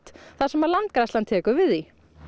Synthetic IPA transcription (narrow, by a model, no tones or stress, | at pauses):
t̪θaðsɛmalant̪̚kɾast̪ant̪ʰɛːkʏɾvɪði